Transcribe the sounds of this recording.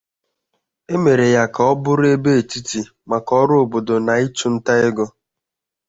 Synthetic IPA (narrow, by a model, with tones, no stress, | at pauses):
e˦me˨ɾe˨ja˨kɔ˦bʊ˦ɾe˦be˦e˨ti˦ti˨ | ma˨kɔ˦ɾʊ˦o˨bo˨do˨na˨i˦t͡ʃu˦n̩˦ta˦ɪ˦ɡɔ˦